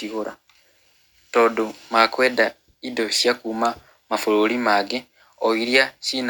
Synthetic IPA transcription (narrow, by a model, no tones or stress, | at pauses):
iɣoɾa | todumakweda | idosjakuːma | mafuɾulimaɡe | oiɾjasin